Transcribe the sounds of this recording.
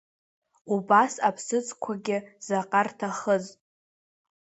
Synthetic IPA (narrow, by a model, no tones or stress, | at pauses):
ubasapʰsɨt͡sʰʼkʷʰaɡʲɪz̥aqʼartʰaχəz